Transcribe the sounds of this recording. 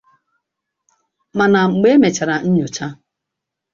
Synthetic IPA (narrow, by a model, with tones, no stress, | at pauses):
ma˨na˨ŋ͡m̩˨ɡ͡be˦me˨t͡ʃa˨ɾa˨n̩˦ɲʊ˨t͡ʃa˦